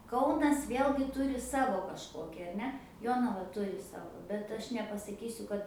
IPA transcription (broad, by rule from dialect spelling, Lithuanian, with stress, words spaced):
ˈkɐʊnɐs ˈʋʲeːlʲɡʲɪ ˈtʊrʲɪ ˈsɑːʋoː kɐʃˈkoːkʲɪ ɐr ˈnʲɛ ˈjoːnɐʋɐ ˈtʊrʲɪ ˈsɑːʋoː bʲɛt ˈɐʃ nʲɛpɐsɐˈkʲiːsʲʊ kɐt